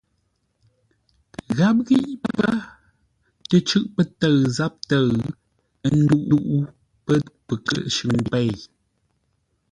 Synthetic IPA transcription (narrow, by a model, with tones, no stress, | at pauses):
ɣa˦p̬̚ɣi˦ʔpkə˦ | tə˨t͡ʃʉ˦ʔpə˦tə˦˨ɰza˦p̚tə˦˨ɰ | n̩˦du˦˨ʔu˦ʔu˦ | pə˦pə˨kə̰˦˨ʔʃʉ˨ŋ˨pɛ˦˨j